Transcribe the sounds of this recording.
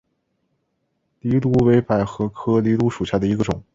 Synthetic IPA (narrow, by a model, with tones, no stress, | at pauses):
li˧˥lu˥we˧˥ɪpa˨˩ɪxɤ˧˥kʰɤ˥li˧˥lu˧˥ʂu˨˩ɕja˥d̪ə˩i˧˥ɡə˧ʈ͡ʂʊ˨˩˦ŋ